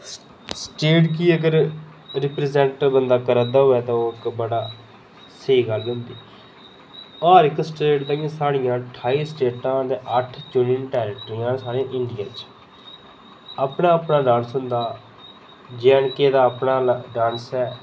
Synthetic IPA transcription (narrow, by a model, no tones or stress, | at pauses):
sʈeːʈk̬iːəɡəɾ | ɾɪpɾezɛ̃ːɳʈbənd̪aːkəɾəd̪aːɦoːɛːt̪ãːoːɪkbəɽaː | səiːɡəlɡə̃nd̪iː | ɔːɾɪksʈeːʈd̪aːɡẽːsaːɽɪjãːʈʰaːiːsʈeːʈãːd̪eːʔəʈʰt͡ʃʊnɪnʈɛːɾəʈɾijãːnsaːɾeãʔɪɳɖɪja̰ːt͡ʃ | apnaːəpnaːɖãːnsɦʊnd̪aː | d͡ʒɛːɳkeːd̪aːəpnaːɖãːnsɛː